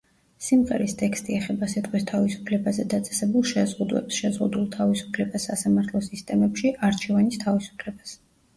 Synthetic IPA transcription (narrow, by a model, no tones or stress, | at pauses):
simʁɛɾist̪ʰʼɛkst̪ʼiɛχɛbasit̪ʼqʼwist̪ʰavisu̥pʰlɛbazɛd̪at̪sʼɛ̥sɛbulˠʃɛzʁud̪wɛ̰psʃɛzʁṵd̪ulˠt̪ʰavisu̥pʰlɛbasːasamaɾt̪ʰlˠɔsist̪ʼɛmɛpʃiʔaɾt͡ʃʰɛvanist̪ʰavisu̥pʰlɛbas